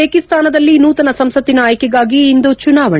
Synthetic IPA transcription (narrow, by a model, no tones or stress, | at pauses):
eːkist̪aːnɐd̪ɐlːinuːt̪ɐnɐsɐmsɐt̪ːinaːjɐkiɡaːɡiːnd̪ut͡ʃunaːʋɐɳ